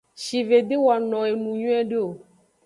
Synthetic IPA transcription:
ʃi˨ve˨d̪e˦wa˨nɔ̃˨e˨mũ˨ɲũ˦ɛ̃˦ɖe˦o˨

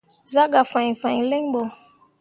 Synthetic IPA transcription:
za˦ɡa˨fã˨ĩ˨fã˨i˨lɛ˦ŋbɔ˨

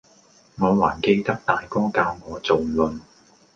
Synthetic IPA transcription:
ŋɔː˨˧waː˨˩nke˧jt̪ɐ˥k̚t̪aː˨jkɔː˥kaː˧wŋɔː˨˧t͡so˨wlɵ˨n

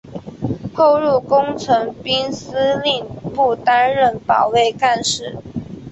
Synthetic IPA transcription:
t̪ʰo˥˧ʊɻu˥˩kʊ˥ŋt͡sʰɤ˧˥ŋpi˥ŋs̩˥li˥˧ŋpu˥˩t̪a˥nɻə˥˩npɑ˨˩ʊwe˥˧ɪka˥˧nʂɻ̩˥˩

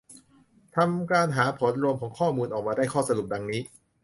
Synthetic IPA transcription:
t̪ʰa˧mkaː˧nɦaː˩˦pʰo˩˦˥n̚ɾu˧əmkʰɔː˩˦ŋkʰɔː˥˩muː˧nʔɔː˨˩k̚maː˧daː˥˩jkʰɔː˥˩sa˧ɾu˨˩p̚da˧ŋniː˦˥

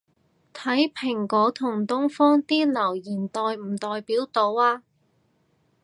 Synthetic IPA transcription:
t̪ʰɐ˨˥jpʰɪ˨˩ŋkɔː˨˥t̪ʰʊ˨˩ŋt̪ʊ˥ŋfɔː˥ŋt̪iː˥lɐ˨˩wjiː˨˩nt̪ɔː˨jm̩˨˩t̪ɔː˨jpiː˨˥wt̪o˨˧waː˧

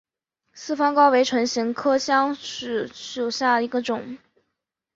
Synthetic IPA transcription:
sɹ̩˥˩fɑ˥ŋkɑ˥ʊwe˧˥ɪʈ͡ʂʰwə˧˥nɕi˧˥ŋkʰɤ˥ɕjɑ˥ŋʂɻ̩˥˩ʂo˨˩ɕja˥˩i˧˥ɡə˧ʈ͡ʂʊ˨˩˦ŋ

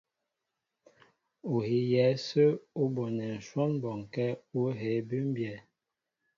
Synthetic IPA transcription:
o˨hi˨˦jɛ˨˦sə˦o˦bo˨nɛ˨n̩˨ʃwɔ˦nbɔ˨ŋ˨kɛ˦o˦ɦe˨˦bʉ˦m˦bjɛ˨

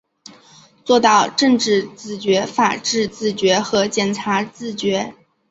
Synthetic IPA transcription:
t͡swɔ˥˧t̪ɑ˥˧ʊʈ͡ʂɤ˥˧ŋʈ͡ʂɻ̩˥˧t͡sɹ̩˥˩t͡ɕɥɛ˧˥fa˨˩ʈ͡ʂɻ̩˥˧t͡sɹ̩˥˩t͡ɕɥɛ˧˥xɤ˧˥t͡ɕjɛ˨˩nʈ͡ʂʰa˧˥t͡sɹ̩˥˩t͡ɕɥɛ˧˥

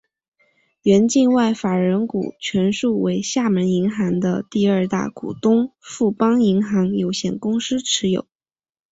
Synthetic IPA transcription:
ɥɛ˧˥nt͡ɕi˥˧nwa˥˩ɪfa˨˩ɻə˧˥nkṵ˨˩t͡ɕʰɥɛ˧˥nʂu˥˩we˧˥ɪɕja˥˩mə˧˥ni˧˥ŋxɑ˧˥ŋd̪ə̰˧t̪i˥˧ə˞˥˧t̪a̰˥˩kṵ˨˩t̪ʊ˥ŋfu˥˩pɑ˥ŋi˧˥ŋxɑ˧˥ŋjo˧˩ʊɕjɛ˨˩nkʊ˥ŋʂ̩˥ʈ͡ʂʰɻ̩˧˥jo̰˨˩˦ʊ

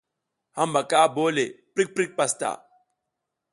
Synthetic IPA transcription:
ha˦m˦ba˨ka˦˨bo˦le˨pɾi˦k̚pɾi˦k̚pa˦sta̰˨

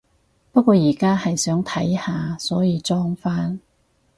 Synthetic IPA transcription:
pɐ˥t̚kʷːwɔː˧jiː˨˩kaː˥hɐ˨jsœː˨˥ŋt̪ʰɐ˨˥jhaː˨sɔː˨˥jiː˨˧t͡sɔː˥ŋfaː˥n

